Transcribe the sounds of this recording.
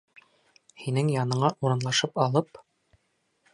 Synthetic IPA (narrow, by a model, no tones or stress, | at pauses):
hinɘŋjɑnɤ̆ɴɑʔuɾɤ̆nlˠɑʃɤpɑlˠɤp